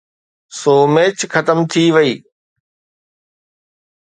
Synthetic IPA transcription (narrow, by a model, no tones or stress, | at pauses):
soːmeːt͡ɕxɐt̪əmt̪ʰiʋɐiː